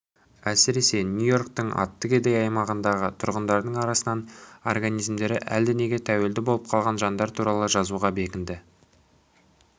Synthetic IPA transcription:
æsɪɾe̞se̞nʲjujo̞ɾk̚t̪əɴɑ̰t̪ːəked̪ejɑjmɑʁənd̪ɑʁət̪ʰʊɾʁənd̪ɑɾd̪əɴɑɾɑsənɑno̞̰rɡanijzmd̪e̞ɾɪʔæ̰ld̪ɪne̞ɡʲe̞t̪ʰæwe̞ld̪ɪbo̞lˠəp̚qʰɑlˠʁɑnʒɑnd̪ɑɾt̪ʰuɾɑlˠəʒɑzuʁɑbe̞kʲɪnd̪ɪ

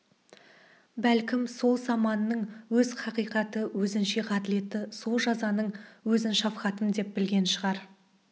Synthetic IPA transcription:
bælkʲɪmso̞lˠsɑmɑnːəɴwɵzχʰɑqijqɑt̪əwɵzɪnʃe̞qʰɑt̪ɪle̞t̪ɪso̞lˠʒɑzɑnəɴwɵzɪnʃɑfχɑt̪əmd̪e̞p̚bɪlɡʲe̞nʃəʁɑɾ

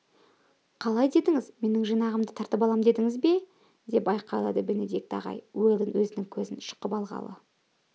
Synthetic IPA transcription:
qʰɑlˠɑjd̪e̞d̪ɪŋɪzme̞nɪŋʒijnɑʁəmd̪ət̪ʰɑɾt̪əpɑlˠɑmd̪e̞d̪ɪŋɪzbe̞ | d̪e̞pɑjqɑjlˠɑ̰d̪əbɪnɪd̪ek̚t̪ɑ̰ʁɑ̰jweld̪ɪnwɵzɪnɪŋkʲʰɵzɪnʃə̥qəpɑlˠʁɑ̰lˠə̰

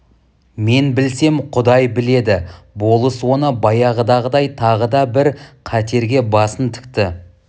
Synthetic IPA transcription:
me̞nbɪlse̞mqʰʊd̪ɑjbɪle̞d̪ɪ | bo̞lˠəswo̞nəbɑjɑʁəd̪ɑʁəd̪ɑjt̪ʰɑʁəd̪ɑbɪɾqʰæt̪e̞ɾɡʲe̞bɑsənt̪ʰɪ̥kt̪ɪ

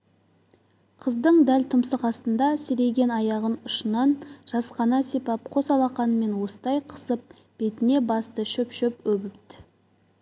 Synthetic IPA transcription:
qʰəzd̪əɴd̪ælt̪ʰʊmsəqɑst̪ənd̪ɑseɾe̞ɡʲe̞nɑjɑʁənʊʃənɑnʒ̥ɑsqɑnɑsepɑp̚qʰo̞sɑlˠɑqɑnəme̞nwo̞sə̥d̪ɑjqʰə̥səp̚ | b̥e̞t̪ɪne̞bɑst̪əʃɵpʃɵpɵbɪpt̪ɪ̥

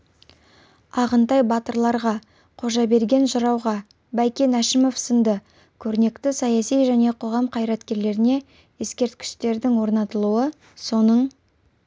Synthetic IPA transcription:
ɑʁənt̪ɑjbɑt̪əɾlˠɑɾʁɑ | qʰo̞ʒɑbe̞ɾɡʲe̞nʒʊɾɑwʁɑ | bæjkʲe̞næʃɪmo̞fsənd̪ə | kʲʰɵɾne̞kt̪ɪsɑjɑsijʒæne̞qʰo̞ʁɑmqʰɑjɾɑt̪kʲe̞ɾle̞ɾɪne̞ | e̞skʲe̞ɾt̪̚kʲɪ̥ʃt̪e̞ɾd̪ɪŋwo̞ɾnɑt̪əlˠuə | so̞nəɴ

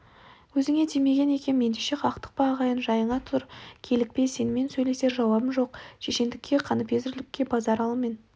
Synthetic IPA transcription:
wɵzɪŋe̞t̪ʰijme̞ɡʲe̞ne̞kʲe̞nmːe̞nd̪eʃe̞qʰɑqt̪ə̥q̚pɑːʁɑjənʒɑjəɴɑt̪ʰʊ̥ʊɾkʲʰe̞lɪk̚pe̞se̞nɪme̞nsɵjle̞se̞ɾʒɑwɑbəmʒo̞qʃe̞ʃe̞nd̪ɪkʲʰːe̞qʰɑnəpe̞zɪɾlɪkʲːe̞bɑzɑɾɑlˠəme̞n

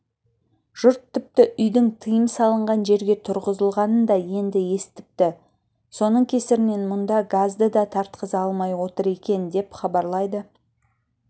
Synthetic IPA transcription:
ʒ̥ʊɾt̪ʰːʏp̚t̪ɪʔʏjd̪ɪŋt̪ʰəjəmsɑlˠəɴʁɑnʒe̞ɾɡʲe̞t̪ʰʊɾʁəzəlˠʁɑnənd̪ɑje̞nd̪ɪje̞st̪ɪ̥p̚t̪ɪ | so̞nəɴkʲʰe̞sɪɾɪme̞nmʊnd̪ɑɡazd̪əd̪ɑt̪ʰɑɾt̪qəzɑlˠmɑjwo̞t̪əɾe̞kʲe̞nd̪e̞pχɑbɑɾlˠɑjd̪ə

